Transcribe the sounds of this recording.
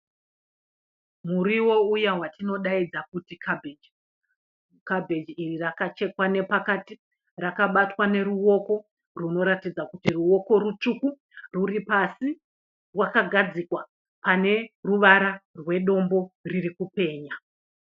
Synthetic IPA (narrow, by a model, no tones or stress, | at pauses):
muɾiwo̞ujawatino̞ɗaid͡zakutikʰabʱei | kabʱe̞d͡ʒiirirakat͡ʃe̞kwane̞pakati | rakaɓatwane̞ɾuo̞ko̞ | runo̞ɾatid͡zakutiruo̞ko̞rut͡ʂuku | ruripasi | rwakaɡʱad͡zikwa | pane̞ruʋaɾarwe̞ɗo̞mbo̞ririkupe̞ːɲa